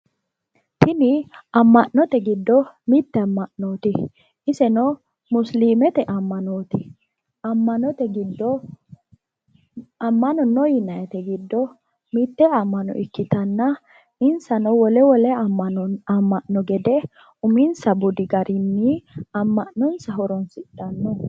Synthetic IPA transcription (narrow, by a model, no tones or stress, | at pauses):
t̪ʰɪnɪɐmːɐʔnɔt̪ɛɡɪd̪ːɔmɪt̪ːɛɐmːɐʔnoːt̪ɪ | ɪsɛnɔ | mʊsliːmɛt̪ɛʔɐmːɐnoːt̪ɪ | ɐmːɐnɔt̪ɛɡɪd̪ːɔ | ɐmːɐnɔnɔjɪnɐjɛt̪ɛɡɪd̪ːɔ | mɪt̪ːɛɐmːɐnɔ̰ʔɪkːɪt̪ɐnːɐ | ɪnsɐnɔwɔlɛwɔlɛɐɐmːɐʔnɔɡɛd̪ɛ | ʊmɪnsɐbʊd̪ɪɡɐɾɪːɪɐmːɐʔnɔnsɐɦɔɾɔnsɪᶑɐnːɔ